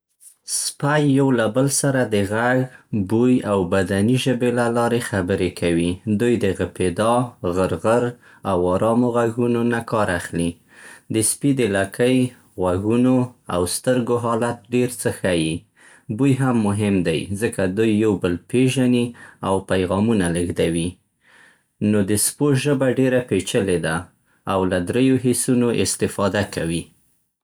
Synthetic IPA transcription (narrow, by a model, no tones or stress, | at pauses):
spajːawlabəlsaɾad̪əɣaɡbujawbad̪aniʒəbelalɑɾexabəɾekʰawid̪ujd̪əɣɪped̪ɑɣəɾɣəɾ | awɑɾɑmoɣaɣunonakɑɾaxli | d̪əspid̪ɪlakʰəj | ɣaɣunoa̰wst̪əɾɡoɦɑlat̪̚ɖeɾt͡səxaji | b̪ujɦamːʊɦɪmd̪ajzəkad̪ujːawbəlpeʒaniawpajɣɑmunaləɣd̪awi | nod̪əspoʒəbaɖeɾapet͡ʃəled̪aː | wlad̪ɾejoɦesunoʔɪst̪ɪfɑd̪akawi